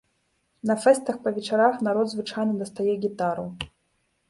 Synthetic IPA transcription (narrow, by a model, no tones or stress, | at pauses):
nɐfɛst̪ɐxpɐvʲɛt͡ʂaɾaxnaɾɔd̪zvɨt͡ʂajnɨd̪ɐst̪ajɛɡʲit̪aɾɐ